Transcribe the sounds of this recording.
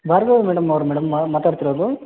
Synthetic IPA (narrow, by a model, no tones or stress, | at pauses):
bʱaːɾɡɐːmɛːɽɐmːɐʋɐɾumɛːɽɐmːaːt̪aːɽt̪iɾoːd̪u